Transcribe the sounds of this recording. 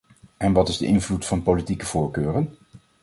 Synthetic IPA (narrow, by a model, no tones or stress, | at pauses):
ɛnʋɑtɪzdə̰ʔɪnvlutfɑnpolitikəv̥ʊːɹkøːrən